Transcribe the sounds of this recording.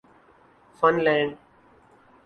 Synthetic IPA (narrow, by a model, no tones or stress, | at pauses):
fʌ̃nlɛ̃ːɳɖ